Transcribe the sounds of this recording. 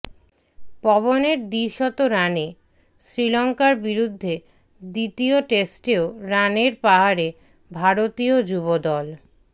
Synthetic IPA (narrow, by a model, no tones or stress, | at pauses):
pɔboneɾd̪iɾʃɔt̪oɾane | sɾilɔŋkaɾbiɾud̪ʱːe | d̪it̪ioʈesʈeoɾaneɾpaɦaɾe | bʱaɾot̪iod͡ʑubod̪ɔl